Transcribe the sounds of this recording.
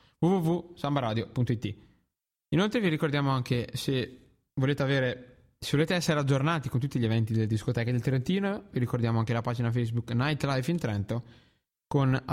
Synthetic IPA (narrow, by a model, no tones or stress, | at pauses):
vuvuvusambaɾaːd̪jopunt̪oit̪ːi | inolt̪ɾeviɾikord̪jaːmoaŋkese | voleːt̪eaveːɾe | sevoleːt̪eɛsːeɾead͡ʒːornaːt̪ikont̪ut̪ːiʎievɛnt̪id̪elːed̪iskot̪ɛːkad̪elt̪ɾent̪iːnoviɾikord̪jaːmoaŋkelapaːd͡ʒinafejsbuknajt̪lajfint̪ɾɛnt̪o | kona